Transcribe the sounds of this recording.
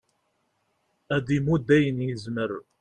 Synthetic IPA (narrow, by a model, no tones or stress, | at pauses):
æðimud̪ːæjənjəzməɾ